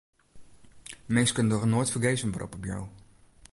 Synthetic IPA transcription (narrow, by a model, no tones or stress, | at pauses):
mejstkənədɔχənoːjtfəɹɡejsənʋarʔɔ̰pɔpja̰w